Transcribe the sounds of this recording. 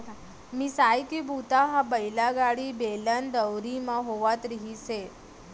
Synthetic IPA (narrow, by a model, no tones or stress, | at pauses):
misajkibut̪aɦabəjlaɡaɽibeland̪əwɾimãɦoʋat̪ɾiɦise